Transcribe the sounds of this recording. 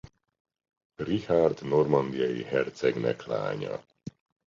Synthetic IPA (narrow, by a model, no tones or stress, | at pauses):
rihard̪normɒnd̪ijɒjḭɦɛrt̪sɛɡnɛ̰kla̰ːɲɒ̰